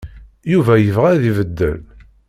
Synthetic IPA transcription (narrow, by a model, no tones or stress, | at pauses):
juvæjəvʁæðivəd̪ːə̰l